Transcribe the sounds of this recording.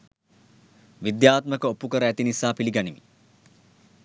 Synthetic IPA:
ʋid̪jaːt̪məkəopːukəɾəæt̪inisaːpiliɡanimḭ

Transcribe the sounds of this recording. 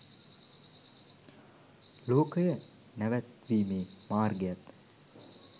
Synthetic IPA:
loːkəjə | næʋæt̪ʋiːmeːmaːrɡejat̪

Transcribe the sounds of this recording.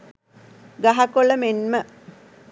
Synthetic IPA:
ɡaɦakoɭəmenmə

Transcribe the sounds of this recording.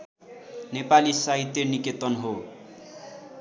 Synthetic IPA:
nepalisaɦit̪ːjʌniket̪ʌnɦo

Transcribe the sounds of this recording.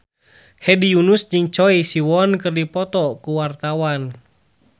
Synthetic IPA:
hɛdijunusd͡ʒɨŋt͡ʃɔisiwɔnkɨrdipɔt̪ɔkuwart̪awan

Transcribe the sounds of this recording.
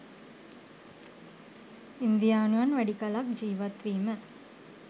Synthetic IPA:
ind̪ijaːnuʋɐnʋæɽikɐlak̚d͡ʒiːʋɐt̪ʋiːmə

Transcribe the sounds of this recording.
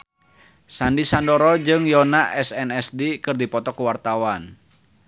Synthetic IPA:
sandisandɔɾɔd͡ʒɨŋjɔnaʔɛsɛnɛsdikɨrdipɔt̪ɔkuwart̪awan

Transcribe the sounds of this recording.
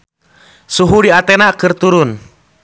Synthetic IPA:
suɦudiat̪ɛnakɨrt̪uɾun

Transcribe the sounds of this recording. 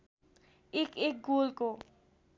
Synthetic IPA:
ekek̚ɡolko

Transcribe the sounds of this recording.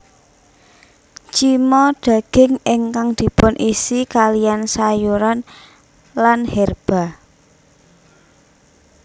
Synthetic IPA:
t͡ʃimɔɖ̥ä̤ɡ̥ɪ̤ŋɪŋkaŋd̪̥i̤pʊnʔisikalijansajuɾan | lanhɛrb̥a̤

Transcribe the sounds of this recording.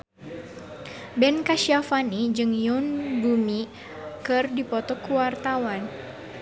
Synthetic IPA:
bɛnkaʃiafanid͡ʒɨŋjunɡumi | kɨrdipɔt̪ɔkuwart̪awan

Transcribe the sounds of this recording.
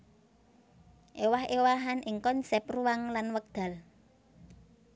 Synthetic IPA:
ʔewahʔewaɦanʔɪŋkɔnsɛp̚ruwaŋlanwək̚d̪̥a̤l

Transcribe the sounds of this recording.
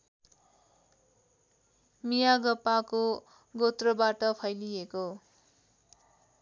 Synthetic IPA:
mijaɡʌpːako | ɡot̪rʌbaʈʌpʰʌjlijeko

